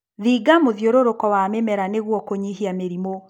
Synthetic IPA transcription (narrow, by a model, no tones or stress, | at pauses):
ðiːɡamoðjoɾoɾokɔwamɛmɛɾaneɣwɔkoɲiɦiameɾimo